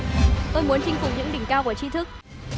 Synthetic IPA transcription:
t̪o˧jmu˨˦ənt͡ɕi˧ŋ̟fʊ˨˩ŋ͡mɲɨ̰˧˥ŋɗï˧˩ŋ̟kaː˧wku˧˩ət͡ɕi˧t̪ʰɨ˦˥k̚

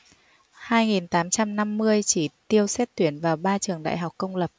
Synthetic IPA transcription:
haː˧jŋi˨˩nt̪aː˨˦mt͡ɕa˧mna˧mːɨ˧əjt͡ɕi˧˩t̪i˧əwsɛ˦˥t̚t̪wi˨˦˩ənvaː˨˩wɓaː˧t͡ɕɨ˨˩əŋɗa̰ː˧˨jɦa˨˩wk͡p̚kə˧wŋ͡mlə˨˩p̚

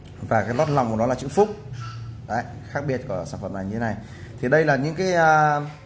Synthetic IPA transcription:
vaː˨˩kaː˨˦jlwa˦˥t̚la˨˩wŋ͡mkɗɔ˨˦laː˨˩t͡ɕɨ̰˧˥fʊ˦˥k͡p̚ɗə˨˦xaː˦˥k̚ɓi˧˩ət̚ku˧˩əsaː˧˩nfə̰˨˩mna˨˩ɲɨ˧e˦na˨˩j | t̪ʰi˨˩ɗə˧jlaː˨˩ɲɨ̰˧˥ŋkaː˨˦jəː˧

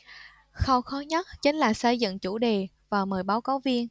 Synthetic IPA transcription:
xə˧wxɔ˨˦ɲə˦˥t̚t͡ɕï˨˦ŋ̟laː˨˩sə˧jzɨ̰˧˨ŋt͡ɕu˧˩ɗe˨˩ | vaː˨˩məː˨˩jɓaː˨˦wkaː˨˦wvi˧ən

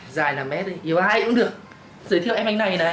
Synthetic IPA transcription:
zaː˨˩jnaː˨˩mɛ˦˥t̚ʔi˨˩ʔi˨˩˦əwhaː˧˩jkʊ̰˧˥ŋ͡mɗɨ˨˩ək̚ | zɨː˨˦jt̪ʰi˧wʔɛ˧m˧ŋna˨˩jnaː˨˦

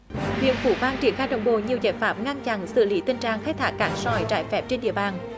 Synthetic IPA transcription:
hwḭ˧˨ənfu˧˩˦faː˧nt͡ɕi˧˩ənxaː˧jɗə̰˧˨wŋ͡mɓo̰˧˨ɲi˨˩əwza̰ː˧˩jfaː˦˥m̚ŋa˧nt͡ɕa̰˧˨nsɨ̰˧˨li˨˦t̪ï˧˩ŋ̟t͡ɕaː˧˨˩ŋxaː˦˥j̚t̪ʰaː˦˥k̚kaː˨˩˦nsɔ˧˩jt͡ɕaː˧˩jfɛ˦˥p̚t͡ɕe˧nɗḭ˧˨əɓaː˨˩n

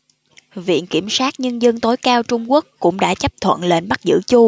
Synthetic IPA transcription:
vḭ˧˨ənki˧˩əmsaː˦˥t̚ɲə˧nzə˧nt̪o˨˦jkaː˧wt͡ɕʊ˧ŋ͡mku˦˥əkːʊ̰˧˥ŋ͡mɗa̰ː˧˥t͡ɕə˦˥p̚t̪ʰwə̰˧˨nle˧nɓa˦˥k̚zɨ̰˧˥t͡ɕu˧

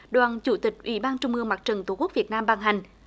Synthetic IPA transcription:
ɗwaː˨nt͡ɕu˧˩˦t̪ï˨˩k̟̚ʔwḭ˧˩ɓaː˧nt͡ɕʊ˧ŋ͡mʔɨ˧əŋmaː˨˩t̚t͡ɕə˨˩ŋt̪ku˦˥k̚vi˨˩ət̚naː˧mɓaː˧˩ŋɦa˨˩jŋ̟

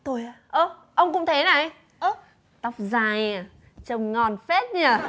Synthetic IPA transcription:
t̪o˨˩jaː˧˩ʔə˧˩ʔə˧wŋ͡mkʊ̰˧˥ŋ͡mt̪ʰe˨˦na˨˩jj | ʔə˧˦ | t̪ə˦˥wk͡p̚zaː˧˩ja˨˧˩ | t͡ɕə˨˩wŋ͡mŋɔ˨˩nfe˦˥t̚ɲaː˧˩

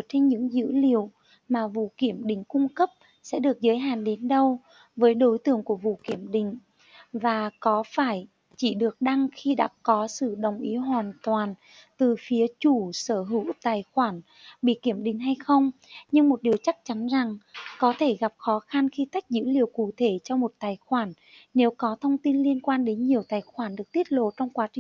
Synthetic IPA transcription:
t͡ɕe˧nɲɨ̰˧˥ŋzɨ̰˧˥li˨˩˨əw | maː˨˩vṵ˧˨ki˧˩əmɗï˨˩ŋ̟kʊ˧ŋ͡mkə˦˥p̚ | sɛ̰˧˥ɗɨ˨˩ək̚zəː˨˦jɦa̰ː˧˨nɗe˨˦nɗə˧w | vəː˨˦jɗo˨˦jt̪ɨ̰˧˩əŋku˧˩əvṵ˧˨ki˧˩əmɗï˧˩˨ŋ̟ | vaː˨˩kɔ˨˦faː˧˩j | t͡ɕi˧˩ɗɨ˨˩ək̚ɗa˧ŋxi˧ɗa̰ː˧˥kɔ˨˦sɨ̰˧˨ɗə˨˩wŋ͡mʔi˨˦ɦwaː˨˩nt̪waː˨˩n | t̪ɨ˨˩fi˨˦ət͡ɕu˧˩səː˧˩ɦɨ̰˧˩w̚t̪aː˨˩jxwaː˧˩n | ɓḭ˧˨ki˧˩əmɗï˨ŋ̟ɦa˧jxə˧wŋ͡mɲɨ˧ŋmo˨˩t̚ɗi˨˩əwt͡ɕa˦˥k̚t͡ɕa˨˦nza˨˩ŋkɔ˨˦t̪ʰe˧˩ɣa˨˩p̚xɔ˨˦xa˧nxi˧t̪a˦˥jk̟̚zɨ̰˧˥li˨˩əwkṵ˧˨t̪ʰe˧˩t͡ɕɔ˧mo˨˩t̚t̪aː˨˩jxwaː˧˩n | ne˨˦wkɔ˨˦t̪ʰə˧wŋ͡mt̪i˧nli˧ənkwaː˧nɗe˨˦nɲi˨˩əwt̪aː˨˩jxwaː˧˩nɗɨ˨˩ək̚t̪i˦˥ət̚lo̰˧˨t͡ɕɔ˧wŋ͡mkwaː˨˦t͡ɕï˨

